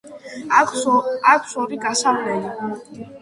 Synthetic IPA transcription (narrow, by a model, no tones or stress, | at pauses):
akʰsɔɾiɡasamlɛli